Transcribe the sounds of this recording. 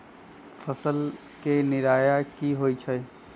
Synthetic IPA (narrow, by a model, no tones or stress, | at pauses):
fʰəsəl | kenɪɾaːjakiɦoːit͡ʃʰə